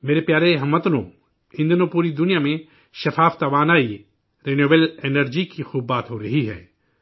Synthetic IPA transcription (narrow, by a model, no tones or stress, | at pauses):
meːɾepjaːɾeɦɐmːət̪lõː | ɪ̃nd̪nõpuːɾid̪ʊnijamẽ | ʃɐfaːft̪aʋaːnaːi | ɾeːnjoːbeleːnəɾd͡ʒikixuːbːaːt̪ɦoɾɐɦiɦɛ̰ː